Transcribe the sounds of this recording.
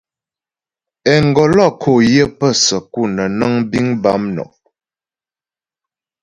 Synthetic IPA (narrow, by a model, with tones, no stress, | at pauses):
ɛ˨ŋ˨ɡɔ˨lɔ˦˨kʰo˨jə˦pə˦˨sə˨ku˦˨nə˨na˦ŋbi˦ŋba˦mnɔ̰˨